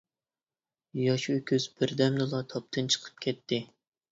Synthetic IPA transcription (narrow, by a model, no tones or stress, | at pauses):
jɑʃøkʲʰøzb̥ɪɾd̪ɛmnɨlˠɑt̪ʰɑp̚t̪ʰɨnt͡ʃʰə̥qʰə̥p̚kʲʰɛt̪ːɪ